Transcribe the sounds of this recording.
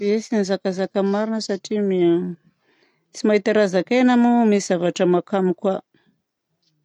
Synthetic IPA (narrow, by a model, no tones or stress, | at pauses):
eesinizakazakəmaɾinəsaʈ͡ʂimi | t͡simaɦit̪aɾazakenamumisiz̥avaʈ͡ʂəmakamikwa